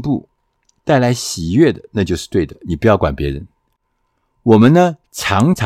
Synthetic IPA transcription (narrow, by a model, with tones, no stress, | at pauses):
pu˥˩ | t̪a˥˩ɪla˧˥ɪɕi˨˩jɥɛ˥˩d̪ə˩na˥˧t͡ɕjo˥˧ʊʂɻ̩˥˧t̪we˥˩ɪd̪ə˩ni˨˩pu˧˥jɑ˥˩ʊkwa˨˩npjɛ˧˥ɻə˧˦n | wɔ˨˩mə˦nnə˧ʈ͡ʂʰɑ˧˥ŋʈ͡ʂʰ